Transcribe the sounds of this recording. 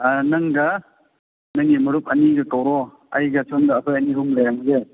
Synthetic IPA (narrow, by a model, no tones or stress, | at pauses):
anɐŋɡɐ | nɐŋimɐɾup̚ɐniɡɐkawɾɔ | ɐ̰jɡɐt͡ʃʰɔndɐːkʰɯjɐniɦuŋlajaŋze